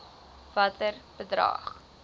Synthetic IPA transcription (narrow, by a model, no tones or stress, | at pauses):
vɐtərb̥ədrɑ̰ːχ